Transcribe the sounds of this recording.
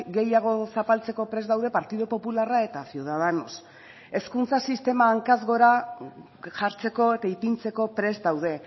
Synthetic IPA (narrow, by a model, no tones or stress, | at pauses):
ɡe̞jaɣ̞o̞sapalt͡se̞ko̞pɾe̞zðawðe̞paɾt̪iðopo̞pularae̞t̪asewðaðano̰s | e̞skunt͡sasist̪e̞maːŋkazɣo̞ɾa | ʝaɾt͡se̞ko̞e̞t̪aipint͡se̞ko̞pɾe̞zd̪awð̞e̞